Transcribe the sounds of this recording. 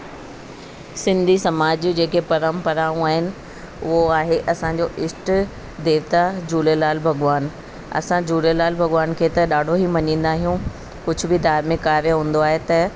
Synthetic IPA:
sɪ̃nd̪ʱisɐmaːd͡ʑd͡ʑeːkepɐɾəmpɐɾaːũaːɦɪnɪ̆ | ʊɦoaːɦeʔɐsãɲd͡ʑoʔɪsʈ | d̪eːʋt̪ad͡ʑuːlelaːlbʱɐɡʋaːn | ɐ̰sãd͡ʑuːlelaːlbʱɐɡʋaːnkʰeːt̪ɐɗaːɖʱoɦimɐɲĩːn̆d̪aːɦijũ | kʊd͡ʑʱʊbɪd̪ʱaːɾmẽkaːʋeɦũːn̆d̪oaːɦet̪ɐ

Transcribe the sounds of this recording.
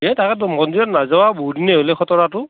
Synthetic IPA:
ɛtakɛtmɔndiɔtnazawabuɦudinɛɦolɛxɔtɔɹatʊ

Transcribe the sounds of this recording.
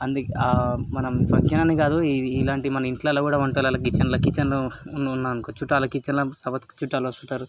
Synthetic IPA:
ɐnd̪ukamɐnɐmpɐkjɐnɐneɡaːd̪uiːlaːɳʈimɐnɐiɳʈlaːlɐkuːɽaːuɳʈɐlalɐk̬it͡ʃːɐnlɐkit͡ʃːɐnunnːaːnkot͡ʃuʈːaːlɐkit͡ʃːɐnlasɐbɐt̪kt͡ʃuʈːaːlʋɐst̪uɳʈːaːɾu

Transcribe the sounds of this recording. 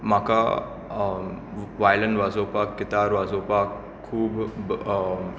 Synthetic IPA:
mãːka | ʋaːjlə̃nʋaːzoːpaːkːɪt̪aːɾʋaːzoːpaːk | kʰːuːb

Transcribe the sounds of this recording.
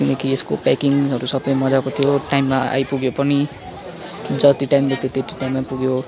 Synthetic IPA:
kinekieskopakiŋzʌɾusʌbʌjmʌd͡zakot̪ʰijoʈajmːaa̰jpuɡjopʌni | d͡zʌt̪iʈajimlet̪et̪eʈiʈajmːapuɡjo

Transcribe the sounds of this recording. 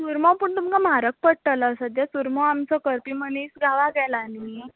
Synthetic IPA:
suɾmɔ̃pəɳt̪umkamaɾək̚pəɽʈələːsəd̪jasuɾmɔamt͡sɔkəɾpimənesɡʱaʋaɡɛlani

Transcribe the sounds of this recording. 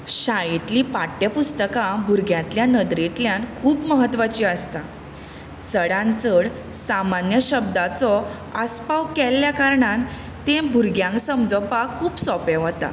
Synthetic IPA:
ɕajit̪lipaʈːjəpust̪əkãbʱuɾɡjãt̪ljanəd̪ɾit̪ljãnkʰuːpməɦət̪ːʋat͡ɕiːəst̪a | səɽãnt͡səɽ | samanjəɕəb̚d̪at͡sɔ | əspaʋkɛlːjakaɾɳan | t̪ẽbʱuɾɡjãŋksəmd͡zəpakʰuːpsɔpeɦɔt̪a̰

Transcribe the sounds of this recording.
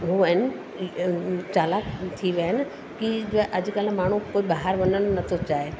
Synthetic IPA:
ɦuəɪnɪ | t͡ɕaːlaːkt̪ʰiʋjanɪ | kiʔɐd͡ʑkəlmaːɳ̤̃ukoːibaɦaɾʋɐnəɽ̃ʊnɐt̪ʰot͡ɕaːɦe

